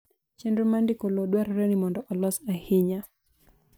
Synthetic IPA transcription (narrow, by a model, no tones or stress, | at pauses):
t͡ʃɛndɾɔmandikɔlɔɗwaɾɾɛnimɔndɔʔɔlɔsahiɲa